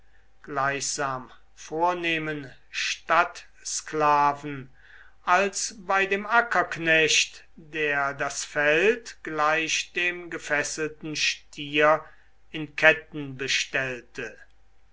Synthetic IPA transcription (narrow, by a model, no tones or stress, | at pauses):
ɡ̥laɪçz̥aːm | foːɐneːmən | ʃtat | sklaːvn̩ | ʔalsbaɪdeːmʔakɐknɛɕt | deːɐdasfɛltɡ̥laɪʃd̥eːmɡəfɛsəl̩tn̩ʃtʰiɐ | ɪnkʰɛtn̩bəʃtɛltə